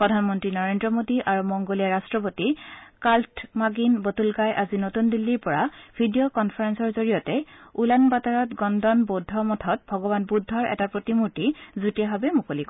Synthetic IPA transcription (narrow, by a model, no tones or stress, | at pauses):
pɹɔdʱanmɔntɹinɔɹendɹɔmodiʔaɹumɔŋɡolijaɹastɹɔpotikaltmaɡinbotulɡajʔazinotundilːiɹpɔɹab̥ʱidijokɔnpʰaɹɛnsɔɹzoɹijɔtɛulanbataɹɔtɡɔndɔnbɔdʱːɔmɔtʰɔt̚bʱɔɡɔbanbudʱːɔɹʔɛ̰tapɹotimuɹtizutijaɦabɛmukolik